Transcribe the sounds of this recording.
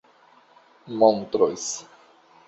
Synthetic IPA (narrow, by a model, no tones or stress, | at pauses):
mont̪ɾo̰js